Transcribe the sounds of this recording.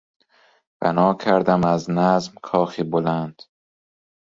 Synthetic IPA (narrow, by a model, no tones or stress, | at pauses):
b̥æ̰nɒːkʰæɾd̪æmæznæzmkʰɒːxiːbolænd̪̥